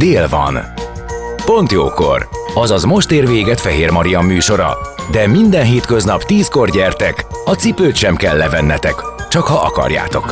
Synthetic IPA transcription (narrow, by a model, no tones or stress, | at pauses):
d̪eːlvɒ̰n | po̞nt̪joːko̞̰rɒzɒzmo̞ʃt̪eːrveːɡɛt̪fɛɦeːrmɒɾijɒmːyːʃo̞ɾɒ̰d̪ɛmind̪ɛnɦeːt̪kø̞znɒpt̪iːsko̞rɟɛrt̪ɛkɒt̪sipøːt̪ʃɛmkɛlːɛvɛnːɛt̪ɛkt͡ʃɒkhɒʔɒ̰kɒ̰rja̰ːt̪o̞k